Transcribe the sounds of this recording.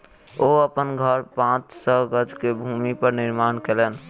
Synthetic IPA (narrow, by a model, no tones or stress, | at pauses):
oəpənɡʱəɾpãt͡ʃsəɡəd͡ʒkebʱumipəɾniɾmankelen